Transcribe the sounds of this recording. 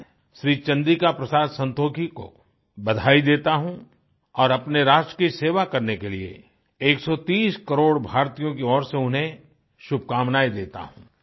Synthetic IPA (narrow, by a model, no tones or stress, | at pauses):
ʃɾiːt͡ʃɐ̃nd̪ikapɾɐsaːd̪sɐ̃nt̪oːkʰiko̰ | bɐd̪ʱaːid̪eːt̪aɦũ | ɔːɾɐpneɾaːʃʈɾəkiseːʋakɐɾnekeliḛ | eːksɔt̪iːskɐɾoːɽbʱaːɾt̪ijõkiɔːɾseʊnɦẽ | ʃʊb̚ʱkaːmnaːid̪eːt̪a̰ɦũː